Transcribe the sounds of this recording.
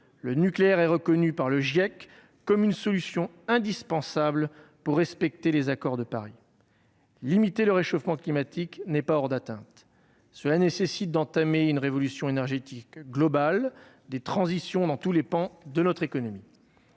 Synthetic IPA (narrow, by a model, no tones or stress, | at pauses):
lənykleɛʁɛʁəkɔnypaʁləʒjakː | ɔmynsɔlysjɔ̃ | ɛ̃d̪ispɑ̃sablpuʁːɛspɛk̚t̪elezakɔʁd̪əpaʁi | limit̪eləʁeʃofmɑ̃klimat̪iknɛpaɔʁd̪at̪ɛ̰̃t̪ | səlanesesit̪̚d̪ɑ̃t̪ameynʁevɔlysjɔ̃enɛʁʒet̪ikɡlɔbal | d̪et̪χɑ̃zisjɔ̃d̪ɑ̃t̪ulepɑ̃d̪ənɔt̪χekɔnɔmi